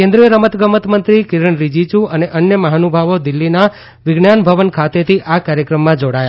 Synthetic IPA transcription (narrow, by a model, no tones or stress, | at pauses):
kẽnd̪ɾijəɾəmət̪ɡəmət̪mənt̪ɾikiɾəɳɾid͡ʒit͡ʃũəneʔənjəməɦanubʱaʋod̪ɪlːina | ʋɪɡɳanbʱəʋənkʰat̪et̪ʰiʔakaɾjəkɾəmːãd͡ʒoɽaja